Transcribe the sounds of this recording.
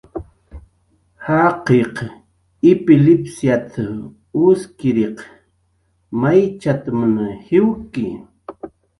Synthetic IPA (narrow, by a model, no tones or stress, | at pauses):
hɑqeq | ɪpɪlɪpsjat̪ʰa | ʊskɪɾeq | majt͡ʃat̪amanahɪwkɪ